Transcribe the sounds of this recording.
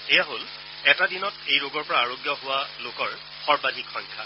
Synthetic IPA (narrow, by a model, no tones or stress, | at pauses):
ejaɦol | ɛtadinɔtejɹoɡɔɹpɔɹaːɹoɡjɔɦʊwalokɔɹ | xɔɹbadʱikxɔŋkʰa